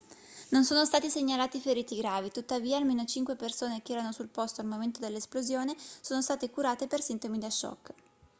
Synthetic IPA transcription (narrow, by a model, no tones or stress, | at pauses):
nonsoːnost̪aːt̪iseɲːalaːt̪ifeɾiːt̪iɡɾaːvit̪ut̪ːaviːaːlmeːnot͡ʃiŋkwepersoːnekeɛːɾanosulpost̪oalmoment̪od̪elːesplozjoːnesoːnost̪aːt̪ekuɾaːt̪epersint̪omid̪aʃːɔ̰kː